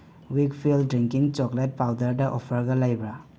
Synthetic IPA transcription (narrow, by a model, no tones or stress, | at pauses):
wikpʰildɾiŋkiŋt͡ʃɔklet̚pawdɐɾdɐʔɔpʰɐɾɡɐlajbɾa